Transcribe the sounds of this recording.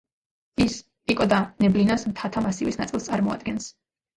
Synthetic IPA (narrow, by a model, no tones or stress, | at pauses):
is | ikʼɔd̪anɛblinasmt̪ʰat̪ʰamasivisnat̪sʼilˠst̪sʼaɾmɔa̰d̪̚ɡɛns